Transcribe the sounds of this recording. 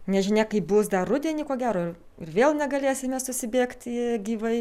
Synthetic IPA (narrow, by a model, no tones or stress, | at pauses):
nʲɛʒʲɪnʲeːkɐɪp̚bʊsd̪ɐrʊd̪ʲɛnʲiːkoːɡʲæːɾoːɪ | ɪrʋʲeːlˠnʲɛɡɐlʲeːsʲɪmʲɛsʊsʲɪbʲeːkt̪ʲiɡʲiːʋɐɪ